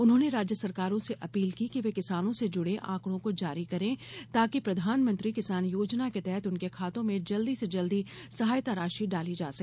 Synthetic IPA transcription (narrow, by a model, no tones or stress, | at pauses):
ʊnɦõːneɾaːd͡ʒjəsɐɾkaːɾõseʔɐpiːlkikiʋekɪsaːnõsed͡ʒʊɽ̤ẽʔã̰ːkɽ̃õkod͡ʒaːɾikɐɾẽt̪aːkipɾɐd̪ʱaːnmə̃nt̪ɾikɪsaːnjoːd͡ʒnaket̪ɛɦɛt̪ʊnkekʰaːt̪õmẽd͡ʒɐld̪ised͡ʒɐld̪isɐɦaːjt̪aɾaːʃiɖaːlid͡ʒa̰ːsɐkː